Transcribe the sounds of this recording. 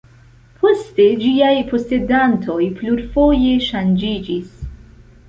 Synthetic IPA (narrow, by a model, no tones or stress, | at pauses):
pʰɔst̪id͡ʒijɐipɔst̪id̪ɐnt̪ʰɔipluɾfɔːjeʃɐnd͡ʒiːd͡ʒis